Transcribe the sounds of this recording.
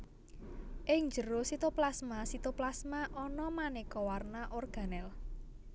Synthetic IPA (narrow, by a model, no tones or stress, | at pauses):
ʔɪŋd͡ʒəɾosit̪oplasmasit̪oplasmaʔɔnɔmanekɔwarnaʔorɡ̥a̤nɛl